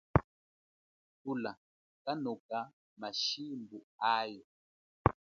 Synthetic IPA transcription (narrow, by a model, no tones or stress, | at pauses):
tula | kanɔka | maʃimbuajɔ